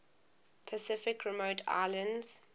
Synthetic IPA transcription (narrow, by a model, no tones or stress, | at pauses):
pʰəsɪfɪkʰɹɛmoʊtʰa̰ɪlə̃ndz̥